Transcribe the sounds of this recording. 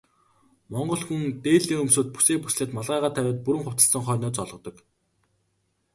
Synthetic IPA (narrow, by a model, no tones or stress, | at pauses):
mɔɴɢɞ̆ɮxunt̪eːɮiːŋɵmsoːt̪̚pu̥seːpusɮeːt̪maɮʁæːʁaːt̪ʰæwʲæːt̪̚puɾɘ̆ŋχʊw̥ʰt̪ə̆ɬsə̆ŋχœːnɔːt͡sɔɮʁɞ̆t̪ɞ̆k